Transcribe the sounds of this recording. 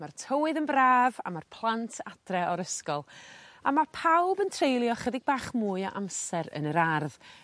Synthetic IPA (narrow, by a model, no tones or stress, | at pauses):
martʰəwɨðənbraːva̰marpʰlˠantʰad̥rɛɔɾəskɔlˠamapʰawbəntʰrejlˠjɔχədɪɡ̚baːχmuːɨɔʔamsɛɾə̰nəɾarð